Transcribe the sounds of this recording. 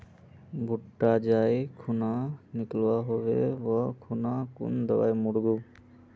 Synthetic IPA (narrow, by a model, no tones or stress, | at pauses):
bʱuʈːad͡ʒajkʰunaniklwaɦobḛbakʰunakṵnd̪ɔwa̰jmuɽɡu